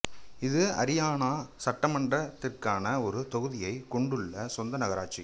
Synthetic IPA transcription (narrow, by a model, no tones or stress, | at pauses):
ɪðɯɐ̰ɾɪjaːnaːsɐʈːɐmɐɳɖrɐt̪ːɪrkaːnɐɔɾɯt̪ɔɣɯðɪjɐɪkɔɳɖɯɭːɐsɔnd̪ɐnɐɣɐɾaːʈ̚t͡ʃi